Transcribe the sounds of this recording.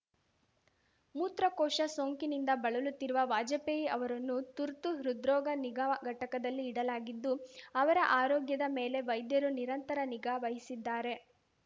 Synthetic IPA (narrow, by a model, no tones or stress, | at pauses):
muːt̪ɾɐkɔːʃɐsoːŋkinind̪ɐbɐɭɐlut̪ːiɾuʋɐʋaːd͡ʒɐpejiɐʋɐɾɐnːut̪uɾt̪uɦiɾud̪ɾɔːɡɐniɡaɡʱɐʈɐkɐd̪ɐlːiːɽɐlaːɡid̪ːuɐʋɐɾɐʔaːɾɔːɡjɐd̪ɐme̞ːle̞ʋɐjd̪jɐɾuniɾɐnt̪ɐɾɐniɡaʋɐɦisid̪ːaːɾe̞